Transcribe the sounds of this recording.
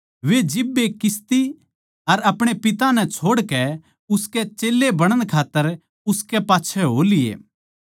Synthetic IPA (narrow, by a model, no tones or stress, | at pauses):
ʋed͡ʒɪbːekɪst̪i | ɐɾɐpɽ̃epɪt̪ãnɛ̃t͡ʃʰoːɽkɛ | ʊskɛt͡ʃeːlːebɐɽ̃əɽ̃kʰaːt̪ːəɾ | ʊskɛpaːtːt͡ʃʰɛɦoːlɪjḛː